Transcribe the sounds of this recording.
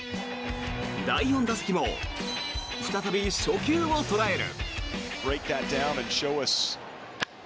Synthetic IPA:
d̪aijõ̞nd̪asɨ̥kʲimo̰ | ɸɯ̥t̪at̪abʲisokʲɨːot̪o̞ɾae̞ɾɯ̰b̥ɹeɪk̚ðɨt̚d̥ãʊ̃nɨ̃nʃoʊʌs

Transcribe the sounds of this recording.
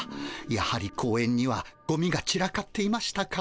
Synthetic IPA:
jahaɾʲikʰo̞ːẽ̞ɲ̟ːiβaɡ̥o̞mʲiɡat͡ɕiɾakat̪ːe̞imaɕi̥t̪aka

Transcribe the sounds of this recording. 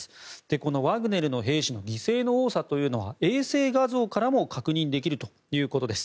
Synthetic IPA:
ɨ̥d̪̥e̞ko̞no̞βaɡɯ̟ne̞ɾɯ̟no̞ɦe̞ːɕino̞ɡʲise̞ːno̞oːsat̪o̞jɯ̟ːno̞β̞a̰e̞ːse̞ːɡazo̞ːkaɾamo̞kakɯ̟ɲ̟ĩnd̪e̞kʲiɾɯ̟t̪o̞ | jɯ̟ːko̞t̪o̞d̪esɨ̥

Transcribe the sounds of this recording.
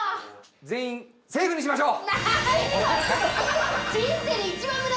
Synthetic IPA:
d͡zẽĩ | se̞ːɡɯ̃ɲːiɕimaɕo̞ː | d͡ʑĩseit͡ɕibãɯɾ

